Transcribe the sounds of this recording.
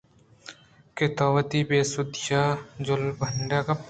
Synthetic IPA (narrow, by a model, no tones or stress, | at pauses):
kɪt̪ɔːʋət̪iːbeːsʊd̪jaːd͡ʒʊlbʱəɳɖakɐ